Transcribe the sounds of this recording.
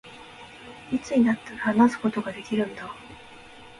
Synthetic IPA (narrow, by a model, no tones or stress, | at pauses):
it͡sɨɲ̟inat̪ːehanasɨ̥ko̞t̪o̞ɡad̪e̞kʲiɾɯ̟̃nd̪a